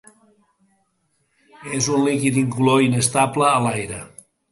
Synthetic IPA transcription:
ezunlikid̪iŋkuloinest̪apləːlajɾə

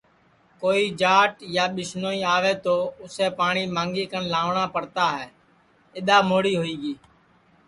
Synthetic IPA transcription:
koːiːd͡ʒaːʈjaːɓɪsnoːĩːaːʋeːt̪oːʊseːpaːɳ̃iːmãːŋɡiːkənlaːʋɳaːpəɽt̪aːɦɛː | ɪɗ̪aːmoːɽiːɦoːiːɠiː

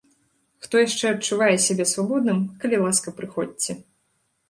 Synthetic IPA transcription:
xt̪ɔjaʂt͡ʂɛɐt͡ʂːuvajɛsʲabʲɛsvabɔd̪nɨmkɐlʲilˠaskɐpɾɨxɔt͡sʲɛ

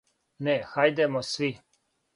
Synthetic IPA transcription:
nɛxajd̪ɛmosʋi

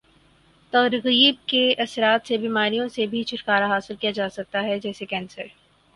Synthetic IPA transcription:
t̪ɐːɾɣiːb̚keɐsɾaːt̪sebiːmaːɾijõsebʱit͡ʃʊɾkaːɾaɦaːsɪlkijad͡ʒaːsɐk̚t̪aɦɛd͡ʒɛːsekɛ̃ːnsəɾ

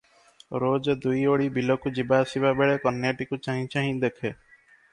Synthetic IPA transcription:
ɾoːd͡ʒd̪uioːɽiːbʱilokud͡ʒɪbaːsɪʋaːbeːɭeːkənːjeːʈikut͡ʃaːɦĩt͡ʃaːɦĩd̪ekʰeː

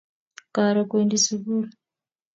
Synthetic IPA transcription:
kaːɾakweːndisiβuɾ

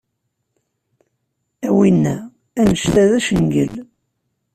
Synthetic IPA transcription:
æwinːæ | ænəʃt̪æðæʃənɡə̰l

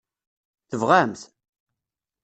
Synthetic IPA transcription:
θəvʁamθ

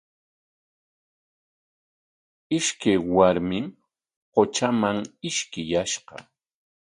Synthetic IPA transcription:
ɪʃkajwaɾmɪm | qot͡ʃamaŋɪʃkɪjaʃɢɑ̰

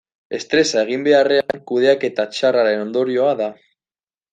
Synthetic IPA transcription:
e̞st̪ɾe̞sae̞ɣ̞imbe̞are̞aŋkuð̞e̞ake̞t̪at͡ʃaraɾe̞no̞nd̪o̞ɾio̞aða

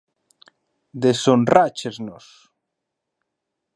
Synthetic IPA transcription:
d̪esonrat͡ʃeznos

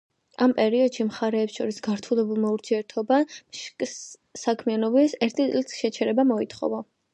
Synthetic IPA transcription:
ampʼɛɾiɔd̪ʃimχaɾɛːpsʃɔɾisɡaɾt̪ʰulɛbulˠmauɾt̪ʰiɛɾt̪ʰɔbamʃkʼsː | akʰmianɔbisɛɾt̪ʰit̪sʼlit̪sʃɛt͡ʃʰɛɾɛbamɔit̪ʰχɔ̰va

